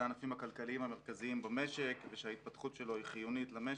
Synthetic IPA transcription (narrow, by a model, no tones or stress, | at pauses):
anafimhakalkaliimhame̞ʁkaziimbame̞ʃe̞kveʃeait̪̚pat̪χut̪ʃe̞lo̞hiχijunitlame